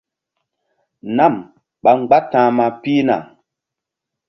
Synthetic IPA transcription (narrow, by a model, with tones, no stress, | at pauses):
na˦˨m | ɓa˨ŋ͡mɡ͡ba˦tãː˨˦ma˨pi˦na̰˨